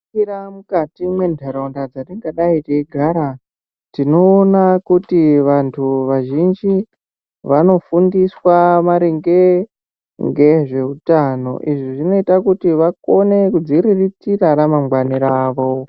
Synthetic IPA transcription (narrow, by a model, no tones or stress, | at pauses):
iɾamukatimwe̞ndʱeɾondad͡zandiŋɡaɗaiteiɡʱaɾa | tino̞ːnakutiʋantʰuʋaʒind͡ʒi | ʋano̞fundiswamaɾeŋɡe̞ | ŋɡe̞ʐe̞utano̞̰ʔiʐiʐino̞itakutiʋako̞ne̞kud͡ziɾiritiraɾamamɡwaniɾaːʋo̞